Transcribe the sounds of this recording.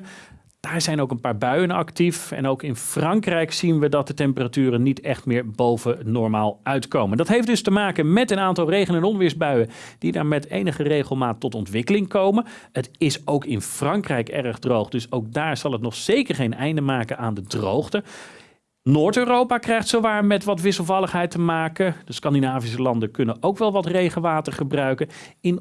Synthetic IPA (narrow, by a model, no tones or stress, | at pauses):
d̥aːɹzɛjnowkənpaːɹbœɥənɑ̰ktifɛ̰nowkɪnfrɑŋkrɛjksinʋədɑt̚dətɛmpəratyːrənːitɛχtmɪːɹbowvənɔɹmaːlˠœɥtkowməndɑtɦejfdɵstəmaːkənmɛtənaːntɑlˠrejχənɛnɔnʋɪːɹzbœɥənd̥idaːɹmɛtḛjnəχərejχəlˠmaːtːɔtɔntʋɪkəlɪŋkowmən | ətɪsowkɪnfrɑŋkrɛjkɛ̰rəχdrowχdɵsowk̚daːɹz̥ɑlˠətnɔχsejkəɹχejnɛjndəmaːkənaːndədro̰wχtə | noːɹtøːrowpakrɛjχtsowʋaːɹmɛtʋɑtʋɪsəlˠvɑlˠəχɦɛjtəmaːkəd̥əskɑndinaːvis̬əlɑndəkɵnənʔowkʋɛlˠʋɑtrejχəʋaːtəɹχəbrœɥkən | ɪn